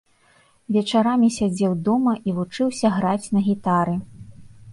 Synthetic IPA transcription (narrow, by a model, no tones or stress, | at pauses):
vʲɛt͡ʂaɾamʲisʲad͡zʲɛwd̪ɔmɐʔivut͡ʂɨwsʲɐɣɾat͡sʲnɐɣʲit̪aɾɨ